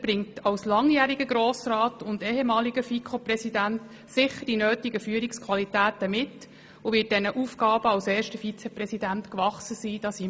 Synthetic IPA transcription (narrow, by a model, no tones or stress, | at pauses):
b̥ɾɪŋtɑwslɑŋjæːɾiɡəɡɾoːsrɑːtʊndeːɦɛmɑːliɡəfikʰχoprɛsidænt | sɪχəɾdinøːtiɡəfyːɾikskʰʋɑlitæːtəmɪt | uʋɪːt̚d̥ɛnəʔuːfɡɑːb̥əɑwsɛːɾʃtəfit͡sɛprɛsidæntkʋɑχsəsiːd̥ɑsi